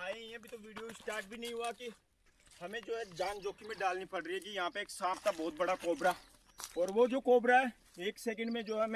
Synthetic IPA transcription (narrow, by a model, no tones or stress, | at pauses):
aːeɛbʱit̪oʋiːɖijoɪsʈaːɾʈ̚bʱinɐɦĩɦuaki | hɐmẽd͡ʒoːɦɛd͡ʒãːnd͡ʒoːkimẽɖaːlnipɐɽɾiɛkijɐɦãpeeːksaːbt̪abɔːt̪̚bɐɽakoːbɾa | ɔːɾʋod͡ʒoːkoːbɾaɦɛ | eːksɛːk̬ə̃ɳɖmẽd͡ʒoːɦɛm